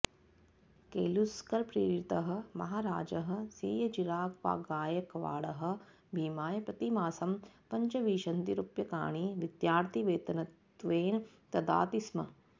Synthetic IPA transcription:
keːluskɐɾpɾḭːkɾit̪ɐɦɐ̆mɐɦaːɾa̰ːd͡ʒɐɦɐ̆sḭːjɐd͡ʒiɾaːkʋa̰ːɡaːjɐkɐʋa̰ːɽɐɦɐ̆ | bʱiːmaːjɐpɾɐt̪imaːsɐmpɐɲt͡ʃɐʋiːʃɐnt̪iɾupjɐka̰ːɳiʋid̪jaːɾt̪iʋeːt̪ɐnɐt̪ʋeːn | t̪ɐd̪a̰ːt̪ismɐ̰

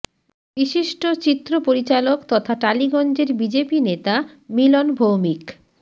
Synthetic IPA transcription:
biʃiʃʈot͡ɕit̪ːɾopoɾit͡ɕalokt̪ɔt̪ʰaʈaliɡɔnd͡ʑeɾbid͡ʑepinet̪a | milonbʱowmik

